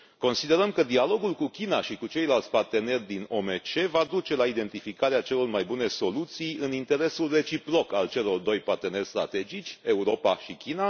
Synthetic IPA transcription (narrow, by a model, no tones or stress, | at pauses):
ko̞nsid̪e̞ɾəmkəd̪ialo̞ɡulkukʲinaʃikut͡ʃe̞jlalt̪sʲpart̪e̞ne̞rʲd̪ino̞me̞t͡ʃe̞vad̪ut͡ʃe̞laid̪e̞nt̪ifikaɾeat͡ʃe̞lo̞rmajbune̞so̞lut̪sijɨnint̪e̞ɾe̞sulre̞t͡ʃipɾo̞kalt͡ʃe̞lo̞rd̪o̞jpart̪e̞ne̞rʲst̪ɾa̰t̪e̞d͡ʒit͡ʃʲe̞uɾo̞paʃikʲina